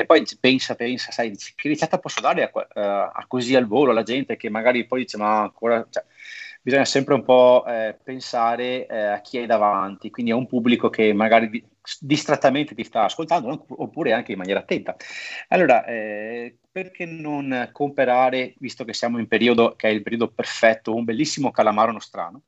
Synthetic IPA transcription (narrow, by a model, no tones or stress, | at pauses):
epːɔjpɛnsapɛnsasajd̪iːt͡ʃi̥kerit͡ʃːat̪ːapɔsːod̪aːɾeaka̰kːozialvoːloalad͡ʒɛnt̪ekemːaɡaːɾipɔjd̪iːt͡ʃemaaŋkoːɾat͡ʃɛbizɔɲːasɛmpɾeumpɔpensaːɾeɛak̟ːiajd̪avant̪ikwind̪iɛumpubːlikokʰemaɡaːɾid̪i | sd̪ist̪ɾet̪ːament̪et̪ist̪aːskolt̪and̪okopːuːɾeaŋkeimːanjɛːɾat̪ːɛnt̪aalːoːɾaʔɛ | perkʰenonkompeɾaːɾevist̪okesːjaːmoimpeɾiːod̪okeɛilpeɾiːod̪operfɛt̪ːoumbelːisːimokalamaːɾonost̪ɾa̰ːno